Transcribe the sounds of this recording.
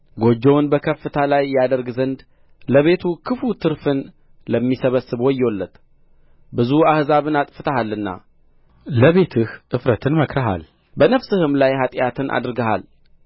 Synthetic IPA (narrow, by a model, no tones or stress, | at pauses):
ɡo̞d͡ʒːəwnbəkʰəfːɨt̪ʰalajːad̪əɾɡzənd̪ | ləβe̞t̪ʰukʰɨfut̪ʰɨɾfɨn | ləmːisəβəsːɨβoɪjːolːət̪ | bɨzuahzaβɨnat̪ʼfɨt̪ʰəhalːɨnːa̰ | ləβe̞t̪ʰɨhʔɨfɾət̪ʰɨnməkɾəɦa̰l | bənəfsɨhɨmlajhat̪ʼjat̪ʰɨnʔa̰d̪ɨɾɡəha̰l